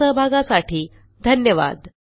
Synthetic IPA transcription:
əɦbʱaɡasaʈʰiː | d̪ʱənjəʋa̰d̪

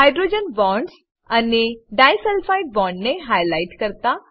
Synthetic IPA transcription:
ɦajɖɾod͡ʒənbɔ̃ːɳɖs | ɐneɖaːjsɛlfʰaiʈbɔ̃ːɳɖneɦajlaɪʈkəɾt̪a

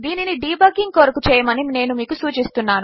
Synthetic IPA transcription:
d̪iːniniɖiːbɐɡiŋɡ̚koːɾukut͡ʃɛːjɐmɐnine̞ːnumiːkusuːt͡ʃist̪unːaːnu

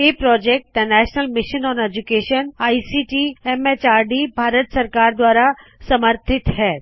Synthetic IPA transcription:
eːpɾɔːd͡ʒek̚ʈ̪ːɐnɛːʃnəlmɪʃənɔ̃ːned͡ʒukeːʃənaːisiːʈiɛmet͡ʃaːɾɖibʱaːɾət̪sɐɾkaːɾd̪waːɾasɐməɾt̪ʰɪt̪ɦɛː

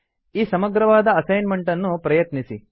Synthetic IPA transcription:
iːsɐmɐɡɾɐʋaːd̪ɐːsɐjnmeɳʈɐnːupɾɐjɐt̪nisi

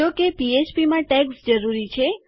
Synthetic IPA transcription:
okepiet͡ʃpimãʈɛksd͡ʒəɾuɾit͡ʃʰe

